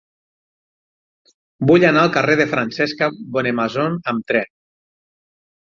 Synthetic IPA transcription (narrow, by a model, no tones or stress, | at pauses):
buʎanaəlˠkareðefɾansɛskaβonemazonəmt̪ɾɛn